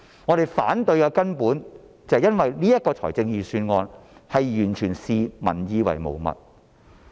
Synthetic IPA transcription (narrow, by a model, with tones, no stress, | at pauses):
ŋɔː˨˧ɾe˨jfa̰ː˨˥nt̪ɵ˧ɥkɛː˧kɐ˥npuː˨˥n | t͡sɐ˨hjɐ˥nwɐ˨jliː˥jɐ˥t̚kɔː˧t͡ʃʰɔ̰ː˨˩jt͡sɪ˧ŋjiː˨˩syː˧nŋɔː˧nhɐ˨jjyː˨˩nt͡ʃʰyː˨˩nsiː˧mɐ̰˨˩njiː˧wɐ̰˨˩jmo̰˨˩wmɐ̰˨t̚